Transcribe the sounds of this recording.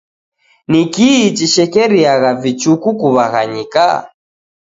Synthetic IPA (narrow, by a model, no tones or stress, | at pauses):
nikiːt͡ʃiʃɛkɛɾiaɣavit͡ʃukukuβaɣaɲika̰